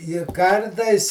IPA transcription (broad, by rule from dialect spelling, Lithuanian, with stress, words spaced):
ɪ ˈkɐrtɐɪs